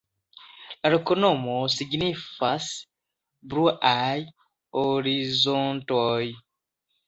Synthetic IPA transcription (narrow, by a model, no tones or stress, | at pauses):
aɾekonomosiɡnifas | bɾuʔaj | oɾizontoj